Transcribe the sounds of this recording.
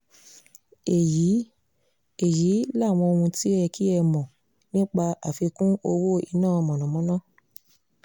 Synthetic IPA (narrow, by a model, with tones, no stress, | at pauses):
e˨ji˨˦ | e˨ji˨˦la˦˨w̃ɔ̃˧o˧hũ˧ti˦ɛ˧ki˦ɛ˧mɔ̃˨ | nĩ˦k͡pa˧ʔa˨fi˧kũ˦o˧wo˦ḭ˧nãː˦˨˧mɔ̃˨nɔ̃˨mɔ̃˨˦nã˦˨